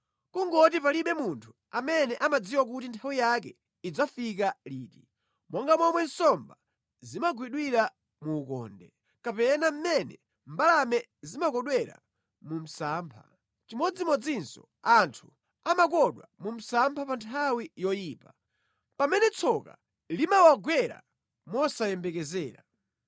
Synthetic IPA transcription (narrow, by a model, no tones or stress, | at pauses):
kuŋɡɔt̬ip̬aliɓɛmuntʰu̥ | amɛnɛʔamad͡ziwak̬utintʰawijak̬ɛ | id͡zafik̬aliːti | mwʔɔŋɡamwɔmwɛnsɔmba | zimaɡwiɗwiɾa | muːkɔ̰ːndɛ | kapɛnam̩mɛnɛ̰ | mbalamɛ | zimakɔɗwɛɾa̰ | mum̩saːmpʰa̰ | t͡ʃimɔd͡zimɔd͡zinsɔ̰ | antʰu | amak̬ɔɗwa̰mum̩sampʰapantʰawijɔjiːpa | pamɛnɛt͡sʰɔka̰ | limawaɡwɛɾa̰ | mɔsajɛmbɛkɛzɛːɾa